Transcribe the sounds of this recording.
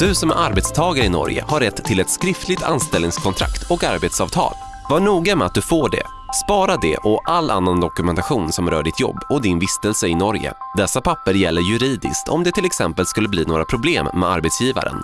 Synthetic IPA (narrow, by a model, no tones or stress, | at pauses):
d̪̥ɵsɔmɛʔaɾbɛt̪st̪ʰɑːɡaɾəɪnɔ̰ɾjə̰haɾːɛt̪ʰːɪlɛt̪skɾɪft̪lɪɡ̚t̪ʰa̰nst̪ɛlnɪŋskʰɔnt̪ʰɾa̰kt̪ʰɔkaɾbet̪sɑːvt̪ʰɑ̰ːl | vaɳuːɡamɛat̪̚d̪ɵfoːɖɛ̰ | spɑːɾad̪ɛ̰ʔɔʔalːʔa̰nːand̪ɔkɵmɛnt̪aɧuːnsɔmɾœ̰ːɖɪt̪ʰjɔ̰bːɔd̪ɪnvɪst̪əlsəɪnɔɾjə̰d̪ɛsːapʰapːəɾjɛlːəɾjɵɾiːd̪ɪ̰skt̪ʰɔ̰md̪ɛt̪ʰɪlɛksɛmpəlskɵlːəbliːnoːɾapʰɾʊbleːmːɛ̰aɾbɛt̪sjiːva̰ɾə̰n